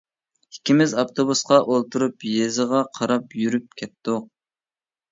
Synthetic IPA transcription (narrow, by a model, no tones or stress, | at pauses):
hikʲimɪzɑpt̪ʰobusqɑʔolˠt̪uɾupjezɨʁɑqʰɑɾɑpjyɾyp̚kʲʰɛt̪d̪ʊq̚